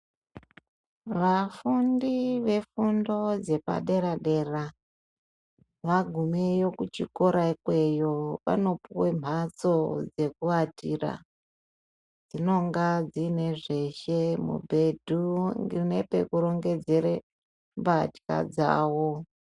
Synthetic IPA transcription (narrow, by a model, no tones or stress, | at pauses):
ʋafundiʋe̞fundo̞d͡ze̞pa̰ɗe̞ɾaɗe̞ra | ʋaɡʱumejo̞kut͡ʃiko̞ɾaikwe̞joʋa̰no̞puwe̞m̤at͡so̞d͡ze̞kuatira̰ | d͡zino̞ŋɡad͡zine̞ʐe̞ʃemṵbʱe̞dʱuŋɡine̞pe̞̰kuɾo̞ŋɡe̞d͡ze̞ɾe | mbatka̰d͡za̰ːwo